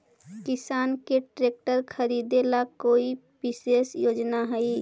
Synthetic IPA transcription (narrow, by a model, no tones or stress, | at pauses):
kɪsaːnkeʈɾeːk̚ʈəɾkʰəɾid̪elakoːi | pɪsesjoːd͡ʒnaɦɛi